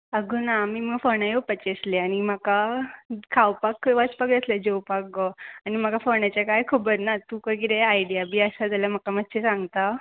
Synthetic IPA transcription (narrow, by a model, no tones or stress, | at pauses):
əɡunamiːməɡfənãjewpət͡ɕesleañimaka | kʰawpakʋət͡spakd͡zəsled͡ʑewpak̚ɡɔañim̤akafənat͡ɕjakajkʰəbəɾnat̪ukəɡiɾeajɽijabʱiːəsad͡zaljam̤akamət̪ːɕesãŋɡt̪a